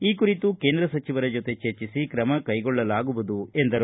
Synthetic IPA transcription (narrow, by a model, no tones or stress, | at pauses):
iːkuɾit̪uke̞ːnd̪ɾɐsɐt͡ʃiʋɐɾɐd͡ʒot̪e̞t͡ʃeɾt͡ʃisikɾɐmɐkɐjɡɔɭːɐlaːɡuʋud̪ue̞nd̪ɐɾ